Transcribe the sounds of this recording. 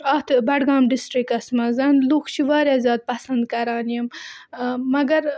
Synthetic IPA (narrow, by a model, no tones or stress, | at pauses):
aːt̪bɐʈɡaːmɖisʈɾikɐsmɐzɐnluxt͡ʃʰiʋaːɾjaːzʲɑːd̪̚pɐsɐnd̪̚kɐɾɑːnjɐmː | ɐɡɐɾ